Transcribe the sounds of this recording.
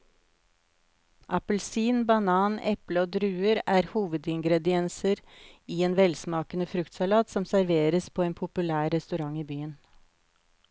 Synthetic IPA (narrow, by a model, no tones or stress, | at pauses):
ʔɑpəlsiːnbɑnɑːnɛpləoːd̪ɾʉːəɾæːɾhuːʋəd̪ɪŋɡɾɛd̪ɪɛnsəɾiːeːnʋɛlsmɑːkənəfɾʉkt̪sɑlɑːt̪sɔmsæɾʋeːɾəspʰoːeːnpʰʊpʉlæːɾːɛst̪ʉɾɑŋiːbyːən